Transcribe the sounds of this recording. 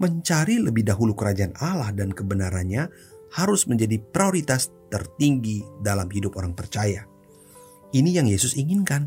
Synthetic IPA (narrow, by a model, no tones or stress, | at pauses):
məɲt͡ʃaɾiləbɪhdaɦulukəɾad͡ʒaanalahdankəbənaɾanɲa | haɾʊsməɲd͡ʒadipɾioɾit̪ast̪ərt̪iŋɡidalamɦidʊpoɾaŋpərt͡ʃaja | inijaŋjesʊsiŋɪnkan